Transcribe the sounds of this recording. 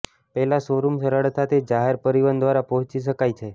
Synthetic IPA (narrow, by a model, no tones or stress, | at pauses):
pɛɦlasoɾumsəɾəɭt̪ʰat̪ʰed͡ʒaɦeɾpəɾiʋənd̪ʋaɾapəɦɔ̃t͡ʃiʃ̬əkajt͡ʃʰe